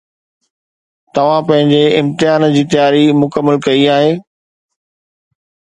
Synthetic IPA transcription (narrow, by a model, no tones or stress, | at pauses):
t̪ɐʋ̤ãpɐ̃ɦɪ̃ɲd͡ʑeɪ̃mt̪ɪjaːnd͡ʑiːt̪ɐjaːɾimʊkəmːəlkɐiaːɦeː